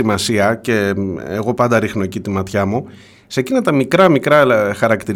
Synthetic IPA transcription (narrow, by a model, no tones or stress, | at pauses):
imɐsiɐce̞eɣo̞pɐnd̪ɐɾixno̞ecit̪imɐt̪çɐmu | se̞cinɐt̪ɐmikɾɐmikɾɐxɐɾɐkt̪iɾ